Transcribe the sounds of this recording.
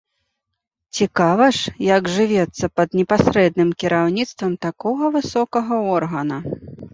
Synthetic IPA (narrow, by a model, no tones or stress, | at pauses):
t͡sʲikavɐʂjɐɡʐɨvʲɛt̪sːɐpɐd̪nʲɛpasɾɛd̪nɨmkʲiɾawnʲit̪st̪vɐmt̪akɔɣɐvɨsɔkɐɣɐɔrɣɐnɐ